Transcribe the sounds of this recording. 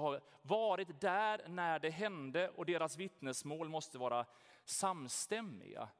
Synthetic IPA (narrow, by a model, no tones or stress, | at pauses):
haɾ | vɑːɾɪt̪d̪æɾnæɖɛɦɛnd̪əʔɔd̪eːɾasvɪt̪nəsmoːlmɔst̪əvɑːɾa | samst̪ɛmːɪ̰ɡa̰